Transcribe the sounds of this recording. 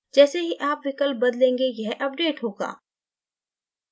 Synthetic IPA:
d͡ʒɛːseɦiʔaːpʋɪkəlp̚bɐd̪lẽːŋɡejɛɦʔɐp̚ɖeːʈɦoːɡa̰ː

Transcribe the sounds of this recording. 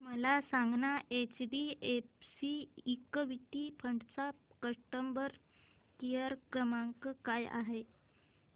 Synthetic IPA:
məlasaŋɡnaʔet͡ɕbiefsiikʋiʈ̪ipʰəɳɖt͡sakəʂʈəmbəɾ | kijəɾkɾəmãŋkkaja̰ɦe

